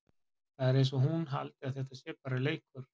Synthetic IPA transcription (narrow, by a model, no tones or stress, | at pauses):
θaðɛɾejnsɔɦunɦa̰lt̪ɪaðθɛht̪asɛːpaɾɪleːjkʏɾ̥